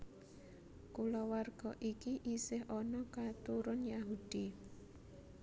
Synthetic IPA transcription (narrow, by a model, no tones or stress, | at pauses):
kulɔwarɡ̥ɔʔikiʔisɪɦɔnɔkat̪uɾʊnjaɦud̪̥i